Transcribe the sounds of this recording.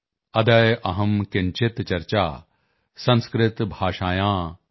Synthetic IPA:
ɐd̪ɐjʔɐɦɐmkɪɲt͡ʃɪt̪t͡ʃɐɾt͡ʃaː | sɐ̃nskɾɪt̪bʱaːʃaːjãː

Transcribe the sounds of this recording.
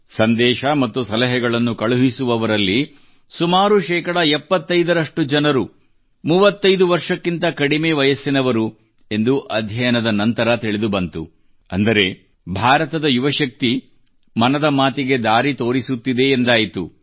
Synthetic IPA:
sɐnd̪ɛːʃɐmɐt̪ːusɐlɐɦɛɡɐɭɐnːukɐɭuɦisuʋɐʋɐɾɐlːi | sumaːɾuʃɛːkɐɽɐɛpːɐt̪ːɐjd̪ɐɾɐʂʈud͡ʒɐnɐɾu | muːʋɐt̪ːɐjd̪uʋɐɾʂɐkːint̪ɐkɐɽimeːʋɐjɐsːinɐʋɐɾu | e̞nd̪uʔɐd̪ʱjɐjɐnɐd̪ɐnɐnt̪ɐɾɐt̪iɭed̪ubɐnt̪u | ɐnd̪ɐɾe̞ | bʱaːɾɐt̪ɐd̪ɐjuʋɐʃɐk̚t̪i | mɐnɐd̪ɐmaːt̪iɡe̞d̪aːɾit̪o̞ːɾisut̪ːid̪e̞ːnd̪aːjit̪ṵ

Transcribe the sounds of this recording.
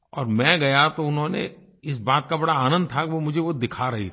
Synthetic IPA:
ɔ̰ːɾmɛ̃ɡɐjat̪oʊnɦõːnḛ | ɪs̬baːt̪kabɐɽaaːnə̃nd̪̚t̪ʰakʋomʊd͡ʒʱeʋod̪ɪkʰaɾɐɦḭt̪

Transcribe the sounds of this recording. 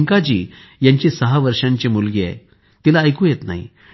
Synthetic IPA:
ŋkad͡ʑiːjaɲt͡ɕĩsəɦaʋəɾʂãɲt͡ɕemulɡea̰j | t̪ilaːjkũjet̪na̰ɦḭ

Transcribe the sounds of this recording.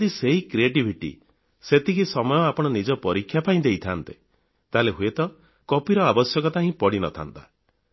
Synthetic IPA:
d̪iseɦikɾieʈibʱiʈḭ | set̪ʰikisɔmɔjɔapɔɽ̃ɔnid͡ʒɔpɔɾikʰːjapaĩd̪ejt̪ʰant̪e | t̪aleɦuet̪ɔ | kɔpiɾɔabɔsjɔkɔt̪aɦĩpɔɽinɔ̰t̪ʰa̰nt̪a

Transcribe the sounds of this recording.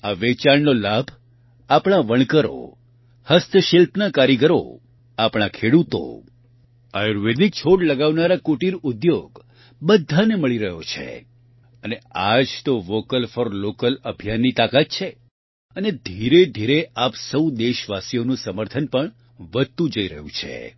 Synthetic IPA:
aʋet͡ʃaɽnolabʱ | apɳ̃aʋəɳ̃kəɾo̰ | həst̪ʰəʃilpnakaɾiɡəɾo̰ | apɽ̃akʰeɽut̪o̰ | a̰juɾʋed̪ik̚t͡ʃʰoɽləɡaʋnaɾakoʈiɾʊd̪joɡ | bəd̪ʱaneməɭiɾəɦot͡ʃʰḛ | ənead͡ʒt̪oʋokəlfɔɾlokələbʱijanːit̪akat̪̚t͡ʃʰe | əned̪ʱiɾed̪ʱiɾeʔapsəwd̪eʃʋasijonũsəməɾt̪ʰənpəɳ | ʋəd̪̚t̪ũd͡ʒəiɾəɦṵ̃t͡ʃʰḛ

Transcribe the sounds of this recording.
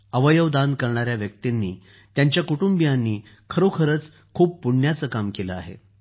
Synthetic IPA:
əʋəjəʋd̪ankəɾɳaɾjaʋjək̚t̪inːiː | t̪jaɲt͡ɕjakuʈumbijanːiː | kʰəɾokʰəɾət͡s | kʰuːppuɳjat͡səːkamkeləa̰ɦḛ

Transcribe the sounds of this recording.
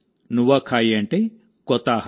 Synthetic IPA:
nuwakʰajeɳʈe | kɔt̪ah

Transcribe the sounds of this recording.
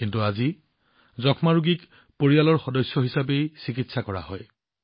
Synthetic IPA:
kintuazi | zɔkʰmaɹuɡik | poɹijalɔɹxɔdɔsjɔɦisap̬ejsikitsakɔɹa̰ɦɔ̰j

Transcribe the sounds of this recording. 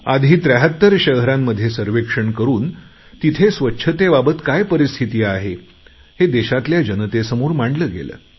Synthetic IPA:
ad̪ʱiːt̪ɾəɦət̪ːəɾɕəɦɾamːəd̪ʱːjesəɾʋekʂəɳkəɾuːn | t̪it̪ʰesʋətːɕʰət̪ebabət̪kajpəɾist̪ʰit̪iːaɦe | hed̪eɕat̪ljad͡ʑənət̪esəmuːɾmaɳɖləːɡḛlə̰ː

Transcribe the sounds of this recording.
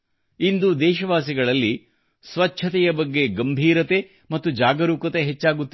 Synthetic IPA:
ind̪ud̪ɛːʃɐʋaːsiɡɐɭɐlːi | sʋɐtt͡ʃʰɐt̪ɛjɐbɐɡːe̞ɡɐmbʱiːɾɐt̪e̞ | mɐt̪ːud͡ʒaːɡɐɾuːkɐt̪e̞ɦet͡ʃːaːɡut̪ːi

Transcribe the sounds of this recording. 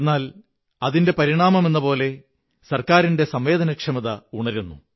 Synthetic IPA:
nːaːl | ɐðinde̞pɐɾiɳaːmɐme̞nːɐpo̞ːle̞ | sɐrkaːɾinde̞sɐmʋe̞ːðɐnɐkʂɐmɐðɐuɳɐɾunːu

